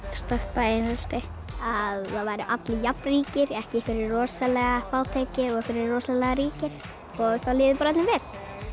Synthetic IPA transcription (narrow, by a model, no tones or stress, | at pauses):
st̪ɔhpaejnal̥t̪ɪ | aðːaðvajɾɪʔat̪lɪjapnriːcɪɾɛhcɪkɪɾɪɾrɔːsalɛɣafaːwt̪ʰejcɪɔɣfɪɾɪɾrːɔːsalɛɣaɾiːcɪɾ̥ | ɔɣθawlɪːðɪpɾaɛt̪nɪvɛl̥